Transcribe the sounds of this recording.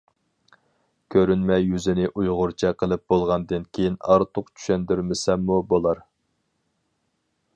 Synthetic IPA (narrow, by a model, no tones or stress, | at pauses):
kʲʰøɾynmɛjyzɪnɪʔujʁʊɾt͡ʃʰɛqʰəlˠɨp̚bolˠʁɑnd̪ɨnkʲʰejinɑɾt̪ʰʊqt͡ʃʰy̥ʃɛnd̪yɾmɪsɛmːubolˠɑɾ